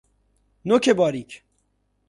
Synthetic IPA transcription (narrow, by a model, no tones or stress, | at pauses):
nokʰebɒːɾikʰ